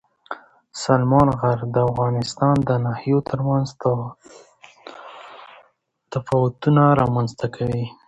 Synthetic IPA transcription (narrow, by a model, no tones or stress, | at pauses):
salmɑnɣaɾd̪əafɣɑnɪst̪ɑnd̪ənahijot̪ʰəɾmanz | t̪afɑwʊt̪unaɾɑmanzt̪akʰawi